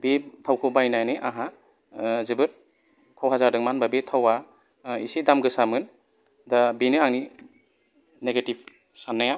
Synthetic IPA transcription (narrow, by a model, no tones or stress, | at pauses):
bitʰawkʰɯwbajnajnɯʔaɦa | zɯbɯt̚ | kʰɔwɦazaɾdɯŋmanbabitʰawa | isidamɡɯsamɯn | dabinɯaŋni | neɡetib̚ | sanːaja